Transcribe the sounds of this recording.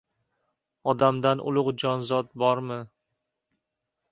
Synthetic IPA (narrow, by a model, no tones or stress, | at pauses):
ɒd̪amd̪anʔʊ̰lˠʊqd͡ʒɒnzɒt̪̚bɒɾmɪ